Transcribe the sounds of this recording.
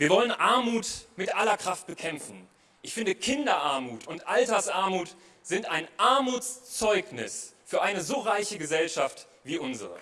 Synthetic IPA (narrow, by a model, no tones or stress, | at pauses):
viːɐvɔlənʔaɐmuːtmɪtʔalɐkʁ̥aft̚b̥əkʰɛmfn̩ | ʔɪçfɪndəkʰɪndɐʔaɐmuːtʰʊntʔaltɐsʔaɐmuːt | z̥ɪntaɪnʔaɐmuːt͡st͡sɔʏknɪ̰sfyːɐʔaɪnəzoːʁaɪçəɡəzɛlʃaft | v̥iːʔʊnzə̰ʁə̰